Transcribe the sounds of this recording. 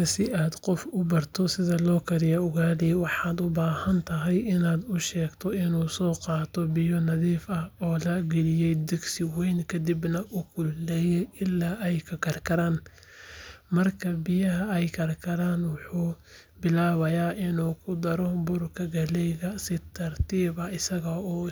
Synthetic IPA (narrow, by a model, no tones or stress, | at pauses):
ɐsɪaːd̪qɔfʊbɐrt̪ʰɔsɪðɐlɔːkʰɐɾɪjɐʊɣaːliwɑħɑːd̪ʊbaːhɐnt̪ʰɐɦɛjʔɪnaːd̪ʊʃɛːɡt̪ʰɔɪnuːsɔːqɑːt̪ʰɔbɪjɔnɐðiːfɐhɔːlɐɡɛlɪjɛjd̪ɛɡsɪwɛjnkʰɐd̪ɪbnɐʔʊkʰʊlɛːjɛjʔɪlːaːʔɛjkʰɐkʰɐrkʰɐɾaːn | mɐrkʰɐbɪjɐɦɐɛjkʰɐrkʰɐɾaːnwɑħuː | bɪlaːβɐjaːʔɪnuːkʰʊd̪ɐɾɔbʊrkʰɐɡɐlɛjðɐsɪt̪ʰɐrt̪ʰiːβɐɪsɐɣɐɔː